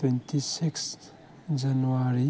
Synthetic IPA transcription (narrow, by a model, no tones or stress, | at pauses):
ɛ̃nt̪isiks | d͡ʒanuaɾi